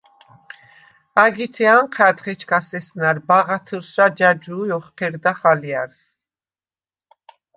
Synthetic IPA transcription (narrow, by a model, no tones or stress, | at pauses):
aɡit̪ʰɛanqʰad̪χɛt͡ʃʰkʰasɛsnaɾbaʁat̪ʰəɾsɾad͡ʒad͡ʒuːjɔχqʰɛɾd̪aχaliaɾs